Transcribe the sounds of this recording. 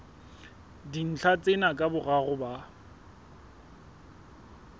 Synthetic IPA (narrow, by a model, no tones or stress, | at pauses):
din̩t͡ɬʰat͡sʼɪnakʼabʊɣaɣʊba